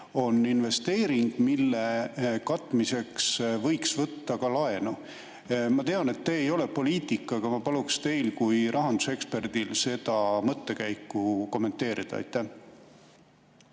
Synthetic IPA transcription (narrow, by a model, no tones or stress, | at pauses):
o̞nːinve̞st̪e̞ːɾiŋɡ̥milːekɑt̪ːˑmise̞ksvɤ̞jksvɤt̪ːɑkɑlɑe̞nu | mɑt̪e̞ɑne̞t̪ːeːjo̞le̞po̞liːt̪ˑikːˑɑɡ̥ɑmɑpɑlukst̪e̞jlkujɾʔɑɦɑnd̪use̞kspe̞rd̪ilse̞d̪ɑmɤt̪ːe̞kæjkːˑuko̞mːe̞nt̪ːe̞ːɾid̪̥ɑ̰ɑ̰jt̪ˑːæh